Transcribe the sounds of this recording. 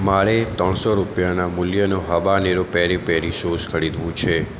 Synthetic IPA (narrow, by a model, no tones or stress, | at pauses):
maɭet̪ə̃ɳsoɾupjanamʊljənoɦəʋaneɾopɛɾipɛɾisoskʰəɽid̪ʋũt͡ʃʰe